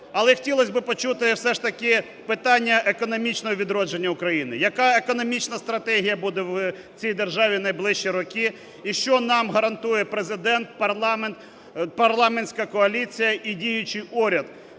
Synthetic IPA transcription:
ɐlˠɛxtʲilˠɔsʲbɪpɔt͡ʃut̪ɪwsɛʂt̪ɐkɪ | pɪt̪ɑnʲːɐʔekɔnɔmʲit͡ʃnɔɦɔʋʲid̪ɾɔd͡ʒe̞nʲːɐʊkɾɐjinɪjɐkɑekɔnɔmʲit͡ʃnɐst̪ɾɐt̪ɛɦʲijɐbud̪ɛw | t͡sʲijd̪erʒɑʋʲinɐjblˠɪʃt͡ʃiɾɔkɪ | iʃt͡ʃɔnɑmɦɐɾɐnt̪ujɛpɾezɪd̪ɛnt̪̚pɐrlˠment̪ | pɐrlˠɑmenʲsʲkɐkɔɐlʲit͡sʲijɐʔidʲijʊt͡ʃɪjuɾʲɐd̪

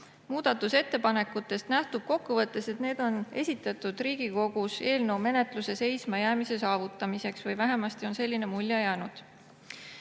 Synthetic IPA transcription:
muːd̪̥ɑt̪ːˑuse̞t̪ːe̞pɑne̞kːˑut̪ːˑe̞st̪næht̪ub̥̚ko̞kːuvɤt̪ːˑe̞set̪ne̞ːd̪̥o̞ne̞sʲit̪ːˑɑt̪ːˑud̪̥riːɡ̥iko̞ɡ̥use̞ːlne̞wme̞ne̞t̪luse̞se̞jsmɑjæːmise̞sɑːvut̪ːˑɑmise̞ksvɤjvæɦe̞mɑst̪io̞nse̞lʲːine̞mulʲjɑjæːnud̪̥

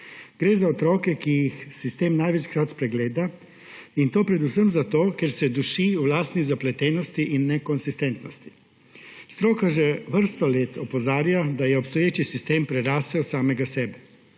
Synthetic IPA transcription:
ɡ̥ɾeːzaɔt̪ɾɔːkɛkijixsist̪eːmnajʋɛt͡ʃkɾat̪spɾɛɡleːd̪a | int̪oːpɾɛd̪usəmzat̪oːkɛɾsɛd̪uʃiːulaːst̪nizaplɛt̪ɛːnɔst̪iʔinːɛkɔnsist̪ɛnt̪nɔst̪i̥ | st̪ɾoːkaʒɛʋəɾst̪ɔleːt̪ɔpɔzaːɾjad̪ajɛɔpst̪ɔjeːt͡ʃisist̪eːmpɾɛɾaːsɛɔsaːmɛɡasɛːbɛ

